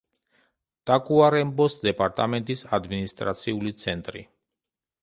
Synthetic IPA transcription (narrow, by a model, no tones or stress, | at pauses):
t̪ʼakʼuaɾɛmbɔsd̪ɛpʼaɾt̪ʼamɛnt̪ʼisad̪minist̪ʼɾat̪sʰiulit̪sʰɛnt̪ʼɾḭ